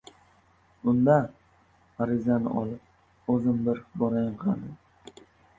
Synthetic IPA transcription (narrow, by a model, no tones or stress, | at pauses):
ʊnd̪a | aɾɪzanɪ̰ʔɒlˠɪp̚ | ɵzɪmbɪɾbɒɾajɴqʰɑnɪ